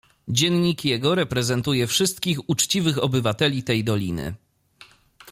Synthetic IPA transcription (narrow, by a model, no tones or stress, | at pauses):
d͡ʑɛnɲikjɛɡɔɾɛpɾɛzɛnt̪ujɛfʂɘst̪̚kʲixut͡ʂt͡ɕivɘxɔbɘvat̪ɛlʲit̪ɛjd̪ɔlʲḭnɘ̰